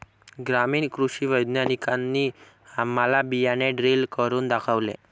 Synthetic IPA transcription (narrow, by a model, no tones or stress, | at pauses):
ɡɾamiːɳkɾuɕiːʋəjd̪njanikanːiː | amːalabijaneɖɾilkəɾuːnd̪akʰaʋlḛ̃